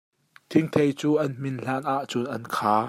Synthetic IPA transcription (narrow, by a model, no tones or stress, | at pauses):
t̪ʰɪŋt̪ʰejt͡suːʔɐnm̥ɪnɬaːnʔaʔt͡sʊnʔɐnkʰaː